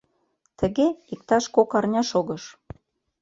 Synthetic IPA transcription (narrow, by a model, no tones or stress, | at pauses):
t̪ə̆ɣeik̚t̪ɑʃkokɑrnʲɑʃoɣɤ̆ʃ